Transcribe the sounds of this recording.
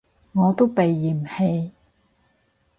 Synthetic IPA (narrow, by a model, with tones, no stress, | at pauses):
ŋɔː˨˧t̪o˥wpe˨jːiː˨˩m̩˨he˧j